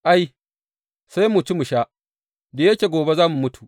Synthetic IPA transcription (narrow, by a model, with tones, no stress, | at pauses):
ʔa˦j | sa˦jmʊ˨t͡ʃu˦mʊ˨ʃaː˦ | de˨je˦kʲeː˨ɡʷoː˨be˦zaː˦mu˨mʊ˦tu̥˨ʔ